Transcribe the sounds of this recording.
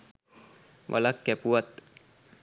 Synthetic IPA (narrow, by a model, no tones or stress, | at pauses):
ʋʔa̰lakːɛpuʋat̪